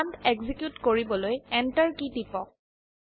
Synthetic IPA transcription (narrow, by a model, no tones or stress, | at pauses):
ntɛɡzikjutkoɹibɔlojɛntaɹkitipɔk̚